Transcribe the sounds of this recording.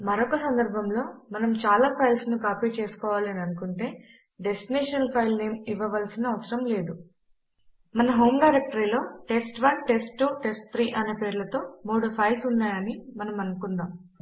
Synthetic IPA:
mɐɾɔkɐsɐnd̪ɐɾbʱɐmlo̞ːmɐnɐmt͡ʃaːlaːpʰɐjlsnukaːpit͡ʃe̞ːsu̥kɔːʋaːlɐniɐnukuɳʈe̞ː | ɖe̞sʈineːʂɐnɐlpʰɐjlneːmiʋːɐʋɐlsinɐːʋɐsɐɾɐmle̞ːd̪u | mɐnɐɦo̞ːmɖɐjɾek̚ʈɐɾiːlo̞ːʈe̞sʈʋɐnʈe̞sʈʈːuːʈesʈt̪ʰɾiːʔɐneːpe̞ːɾlɐt̪o̞ːmoːɽɐpʰɐjlsunːaːjɐnimɐnɐmɐnɐkund̪aːm

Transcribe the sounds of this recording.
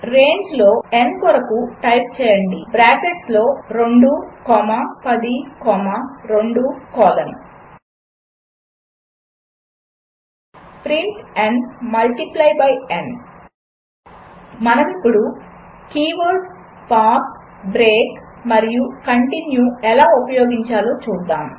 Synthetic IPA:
ɾe̞ːɲd͡ʒlo̞ːenkɔɾɐkuʈɐjp̚t͡ʃɛːjɐɳɖibɾaːkeʈslo̞ːɾeɳɖukɔːmɐpɐd̪ikɔːmaɾo̞ɳɖukɔːlɐn | pɾiɳʈɐɳɖmɐlʈiplɐjbɐjen | mɐnɐmipːuɽukiːʋɐɾɖpaːkbɾeːkmɐɾijukɐɳʈinjuɛlaːupɐjoːɡiɲt͡ʃaːloːt͡ʃuːd̪ːaːm

